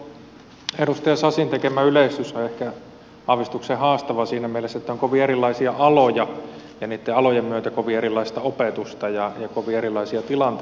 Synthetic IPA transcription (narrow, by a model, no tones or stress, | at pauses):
eɾust̪ɑjɑsɑsint̪ekemæyleist̪ysoehkæ | ɑʋist̪uksehɑːst̪ɑʋɑsiːnæmielesːet̪ːæoŋkoʋierilːˑɑisiɑʔɑlojɑ | jɑniːt̪ːeɑlojemmyøt̪ækoʋierilːˑɑist̪ɑopet̪ust̪ɑjɑjɑkoʋierilːˑɑisiɑt̪ilɑnt̪e